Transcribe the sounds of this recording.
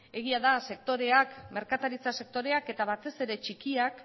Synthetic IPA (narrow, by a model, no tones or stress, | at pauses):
e̞ɣ̞iaðase̞k̚t̪o̞ɾe̞akme̞ɾkat̪aɾit͡sase̞k̚t̪o̞ɾe̞ake̞t̪aβat̪e̞se̞ɾe̞t͡ʃikiak